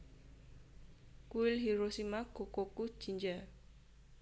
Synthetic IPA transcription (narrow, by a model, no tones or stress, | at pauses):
kuwɪlɦiɾosimaɡ̥o̤koku̥ʒ̥i̤ɲd͡ʒa